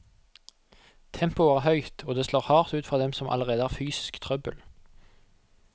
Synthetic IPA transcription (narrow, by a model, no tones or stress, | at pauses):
t̪ʰɛmpʊæːʁhœʏt̪ʰoːd̪eːsloːʁhɑːʁt̪ʉːt̪fʁɔːd̪ɛmsɔmʔɑ̰ləʁeːd̪əæːfyːsɪ̥skt̪ʰʁœbəl